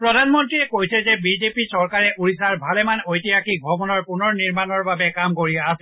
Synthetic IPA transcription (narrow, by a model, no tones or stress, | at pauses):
pɹɔdʱanmɔntɹiɛkojsɛzɛbizepisɔɹkaɹɛʔuɹisaɹbʱalɛmanojtijakibʱɔbɔnɔɹpʊnɔɹniɹmanɔɹbabɛkamkoɹiaːsɛ